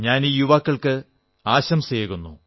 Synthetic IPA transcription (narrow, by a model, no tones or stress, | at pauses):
ɲaːniːjuʋɐkːɐɭkɨ | aːɕɐmseːɣunːu